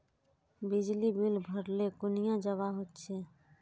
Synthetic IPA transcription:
bɪd͡ʒlibɪlbʱəɾlekʊnɪjãd͡ʒəʋaɦot̪t͡ʃʰeː

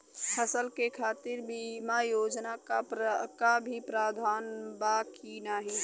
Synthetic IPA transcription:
həsəlkekʰaːt̪ɪɾbimajoːd͡ʒnakakabʱipɾaːd̪ʱaːnbaːkinaːɦĩ

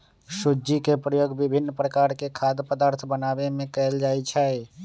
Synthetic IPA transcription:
sud͡ʒikepɾəjoːɡbɪbʱɪnːpɾəkaːɾkekʰaːd̪pəd̪aːɾt̪ʰbənaːbemẽkɛld͡ʒaːit͡ʃʰɛ

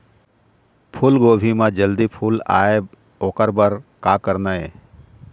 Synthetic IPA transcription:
pʰulɡoːbʱimãd͡ʒəld̪ipʰuːla̰ːeb | oːkəɾbəɾkaːkəɾnəḛ

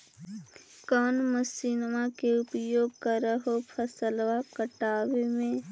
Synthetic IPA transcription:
kɔːnməsiːnmakeʊpəjoːɡ̚kəɾəɦopʰəsəlʋakəʈaːʋemẽ

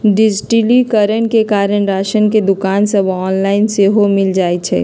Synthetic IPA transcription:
ɖɪd͡ʒʈilikəɾəɳ̃kekaːɾənɾaːʃənked̪ʊkaːnsəbʱɔːnlaːɪnseɦomɪld͡ʒaːet͡ʃʰɛ̰ː

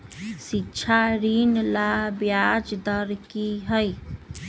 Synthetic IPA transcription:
sitːʃʰaɾinlabjad͡ʒd̪əɾkiɦəj

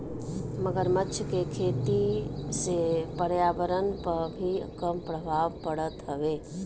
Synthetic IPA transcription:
məɡəɾmətːʃʰəkekʰeːt̪isepəɾjaːbəɾənpəɾbʱikəmpɾəbʱaːʋpəɽət̪ɦəʋeː

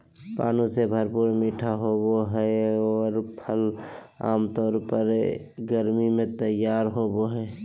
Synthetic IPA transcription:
pa̰ːnusebʱəɾpuːɾmiːʈʰaɦoboɦɛɔːɾpʰəl | a̰ːmt̪ɔːɾpəɾɡəɾmimẽt̪əjaːɾɦoːboɦɛː

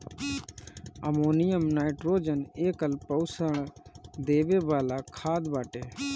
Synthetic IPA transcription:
əmoːnɪjəmnaːɪʈɾoːd͡ʒəneːkəlpəwsəɳ̃d̪eːʋeːbaːlaːkʰaːd̪baːʈeː

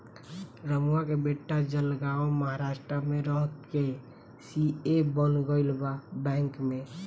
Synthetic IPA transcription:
ɾəmuwakebeʈːad͡ʒəlɡaoməɦaɾaʃʈɾəmeɾəɦət̪ke | siebənɡəɪlbabɛ̃ŋkme

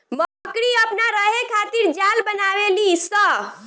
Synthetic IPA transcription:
məkɽiəpnaɾəɦekʰat̪iɾd͡ʒalbənaʋelisə

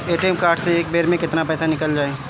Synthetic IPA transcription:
eːʈeːmkaːɾʈseeːk̚beːɾmẽkɪt̪napɛːsanɪkəld͡ʒaːe

